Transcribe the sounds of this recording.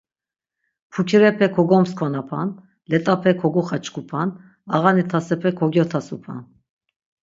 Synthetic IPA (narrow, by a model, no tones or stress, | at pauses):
pʰukʰiɾɛpʰɛkʰɔɡɔmskʰɔnapʰa̰n | lɛt̪ʼapʰɛkʰɔɡuχat͡ʃʰkʰupʰan | aʁanit̪ʰasɛpʰɛkʰɔɡjɔt̪ʰasupʰa̰n